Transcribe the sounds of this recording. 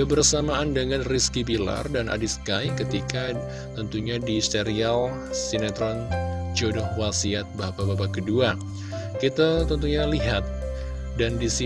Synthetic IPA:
kəbərsamaʔandəŋanriskibila̰rdanʔa̰diskajkət̪ika | t̪ənt̪uɲadist̪eɾial | sinat̪ɾɔnd͡ʒodɔhwasiat̪̚bapabapakədua | kit̪at̪ənt̪uɲaliɦat̪̚ | dandisi

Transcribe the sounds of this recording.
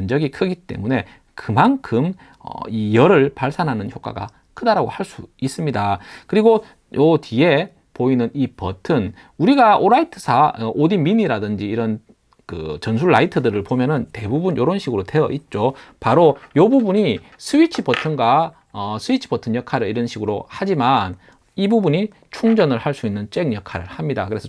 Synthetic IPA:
ʌnd͡ʑʌɡikʰɯɡit͈e̞̰mune̞ | kɯmankʰɯm | ʌ̰ijʌɾɯɭpaɭs͈anɦanɯnçjok͈a̰ɡa̰ | kʰɯdaɾaɡohaɭs͈uis͈ɯmɲidakɯɾiɡo | jotie̞ | poinɯnipʌtʰɯn | uɾiɡaʔoɾaitʰɯsʰaʌʔodiminiɾadɯnd͡ʑiːɾʌn | kɯ̰t͡ɕʌns̬ʰuɭːaitʰɯdɯɾɯɭpomjʌnɯnte̞bubunjoɾʌnɕʰiɡɯɾote̞ʌʔit̚t͡ɕ͈opaɾojʌbubuɲi | sʰɯit͡ɕʰipʌtʰɯnɡa | ʌsʰɯit͡ɕʰi̥pʌtʰɯnjʌkʰaɾɯɭiɾʌnɕʰiɡɯɾohad͡ʑiman | ibubuɲi | t͡ɕʰuŋd͡ʑʌnɯɭhaɭs͈uinːɯnt͡ɕ͈eŋɲjʌkʰaɾɯɭhamɲida̰kɯɾe̞sʰʌ

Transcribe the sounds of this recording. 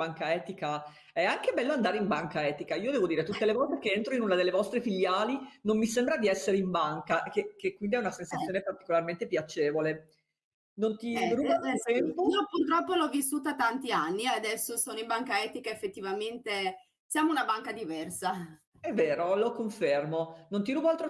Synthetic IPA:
aŋkaɛːt̪ika | ɛaŋkebɛlːoand̪aːɾeimbaŋkaɛːt̪ikaiːod̪ɛːvod̪iːɾet̪ut̪ːelekɔlt̪ekeent̪ɾoinunad̪elːevɔst̪ɾefiʎːaːlinomːisembɾad̪iɛsːeɾeimbaŋkakekekːwind̪iɛunasensat̪sjoːnepart̪i̥kolarment̪epjat͡ʃeːvole | nont̪iruːbakofɛmoiopurt̪ɾɔpːolɔvːisːuːt̪̬at̪ːant̪ianːiead̪ɛsːosoːnoĩmbaŋkaɛːt̪ikaefːet̪ːivament̪e | sjaːmounabaŋkad̪ivɛrsa | ɛvːeːɾolokoɱfermonont̪iɾuːbaalt̪ɾo

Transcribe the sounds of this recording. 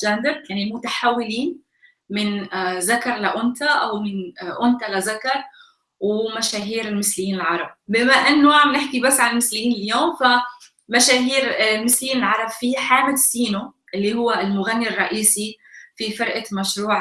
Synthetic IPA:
d͡ʒaːnd̪əɾˤjanilmʊt̪aħawːɪliːn | mɪnzakɑɾˤlaʔʊnt̪aʔawmɪnʔʊnt̪alazakɑɾˤ | wmaʃaːɦiːɾɪlmɪslɪjiːnɪlʕɑɾˤɑb̚bɪmaʔɪnːʊʕamnɪħkibasːʕanɪlmɪslɪjiːnɪljoːmfa | maʃaːɦiːɾɪlmɪsljiːnɪlʕɑɾˤɑbfiħaːmɪd̪siːnoʔɪlːihʊwːaɪlmʊɣanːirˤːɑʔiːsi | fifɪɾʔamaʃɾuːʕ

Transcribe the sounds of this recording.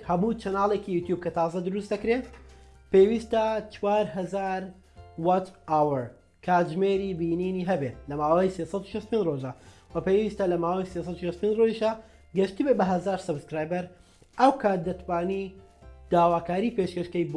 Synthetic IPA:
hɐmuːt͡ʃɐnaːlˠekijuːt̪juːb̚kɐt̪ʰɑːzɐd̪ɨɾusd̪ɐkɾe | pewist̪ɐt͡ʃwaːɾɦɐzaːɾ | wat͡ʃawəɾ | kʰat̪ʒmeːɾiːbiːniːniɦɐbelɐmaːwɐjsesɐd̪uʃɐst̪upʰend͡ʒroʒɐwɐpewist̪ɐlɐmaːwɐjses̬ˤɑd̪uʃɐst̪upenroʒiʃa | ɡɐʃt̪ibebɐɦɐzaːɾsɐbskɾaːjbɐɾ | ʔɐwkʰaːt̪̚d̪ɐt̪ʰwaːni | d̪̥aːwaːkaːɾiːpeʃkɐʃkɐjb

